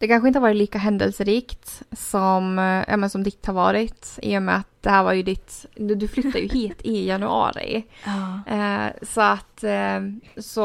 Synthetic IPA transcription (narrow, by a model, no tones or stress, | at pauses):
d̪ɛkʰanɧəɪnhvɑːɾɪt̪liːkaɦɛnd̪ɛ̰lsəɾiːkt̪sɔmjʔɑ̰ːmɛnsɔmd̪ɪt̪ːhaɾvɑ̰ːɾɪt̪ɪ̰jɵmɛat̪̚d̪̥ɛhæːɾvaɾjɵd̪ɪt̪d̪ɵflʏt̪ːad̪jɵ̰hiːt̪ʰɪjanɵɑ̰ːɾɪ̰ | sɔat̪ː | sɔ